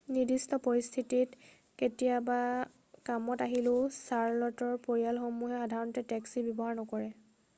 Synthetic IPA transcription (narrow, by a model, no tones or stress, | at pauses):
nidistɔpoɹist̪ʰitit | ketijaba | kamɔtaɦilʊsaɹlɔtɔɹpoɹijalxomuɦɛxadʱaɹɔntɛtɛksibɔbɔɦaɹnɔkɔɹɛ